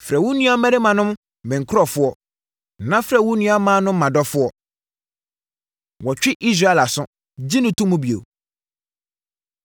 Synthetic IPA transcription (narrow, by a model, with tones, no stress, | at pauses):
fɾɛ˨wʊ̃˦nũ˦a˦mɛ̃˦ɾɪ˦mã˨nʊ̃˦m | mɛ̃˨ŋ̩˨kʰɾɔ˨fʊ˦ɔ˦˨ | nã˦fɾɛ˨wʊ̃˦nũ˦a˦mãː˦nʊ̃˦m̩ː˦ã˨dɔ˦fʊ˦ɔ˦ | wɔ˨t͡ɕᶣɪ˦ʔi˦s̬ɾa˦ɛ˨la˨sʊ̃˦ | d͡ʑi˦nʊ̃˨tʰũ˦mũ˦bi˨o̰˨